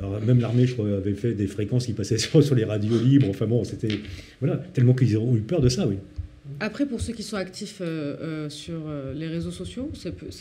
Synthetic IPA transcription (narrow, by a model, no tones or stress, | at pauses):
lɔʁmɛmlaʁmeʒət̪χwaavɛfɛd̪efχekɑ̃skʲipasɛsyʁsyʁleʁad̪jolibʁɑ̃fɛ̃bɔ̃set̪ɛvwalat̪ɛlmɑ̃kilzɔ̃ypœʁd̪əsawi | apχɛpuʁsøkʲisɔ̃akt̪iføøsyʁøleʁezosɔsjosɛpøs